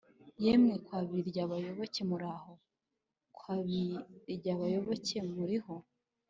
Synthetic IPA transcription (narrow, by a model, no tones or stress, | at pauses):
jemŋekwaːβiiɾɟaβajo̞βo̞ce̞muɾaho̞ | kʰwaːβiɾɟaβajo̞βo̞ce̞muɾiho̞